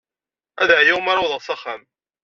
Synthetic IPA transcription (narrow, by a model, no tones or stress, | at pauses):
æ̰ðaʕjawmaɾˤawðˤəʁsɑχæm